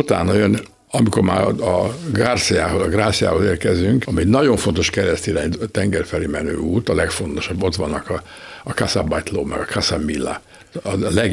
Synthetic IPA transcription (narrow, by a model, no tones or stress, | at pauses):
ut̪a̰ːnːɒjøn | ɒmiko̞rma̰ːɒɡarsija̰ːɦo̞zɒɡraːsija̰ːho̞zeːrkɛzyŋkɒmiɛɟnɒɟo̞ɱfo̞nt̪o̞ʃkɛɾɛst̪iɾaːɲt̪ɛŋɡɛrfɛleːmɛnø̰ːuːt̪ɒlɛkfo̞nt̪o̞ʃɒbːo̞t̪ʋɒnːɒkɒ | ɒkasabajt̪loːmɛ̰ɡɒkʰasamilːa̰ | ɒlɛɡ